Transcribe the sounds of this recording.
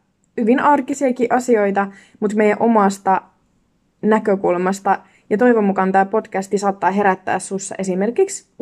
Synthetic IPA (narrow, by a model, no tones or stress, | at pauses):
hyʋinɑrkisiɑkiʔɑsio̞jt̪ɑ | mut̪me̞jːˑæʔo̞mɑˑst̪ɑ | nækøkulmɑst̪ɑ | jɑt̪o̞jʋomukɑnt̪ɑːpo̞tkæst̪isɑːt̪ːɑːɦe̞ɾæt̪ːæ̰ːsːusːɑ̰ʔe̞sime̞rkiks